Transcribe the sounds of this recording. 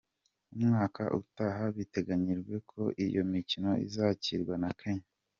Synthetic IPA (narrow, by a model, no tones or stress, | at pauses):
umŋaːkʰa̰ʔṵtaɦaβite̞ɡaɲiɾɡwe̞kʰo̞ʔijo̞̰micino̞ḭzacḭɾɡwanakʰeɲa